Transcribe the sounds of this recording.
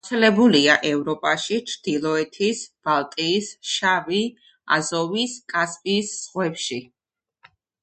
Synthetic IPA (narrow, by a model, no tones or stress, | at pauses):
t̪sʰɛlɛbuliaʔɛvɾɔpʼaʃit͡ʃʰɾd̪̥ilˠɔɛt̪ʰisb̥alˠt̪ʼiːsʃavi | a̰zɔviskʼaspʼisːʁwɛpʃi